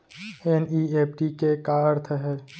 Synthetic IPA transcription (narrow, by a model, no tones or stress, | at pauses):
eniːeːpɖikekaəɾt̪ʰəɦɛː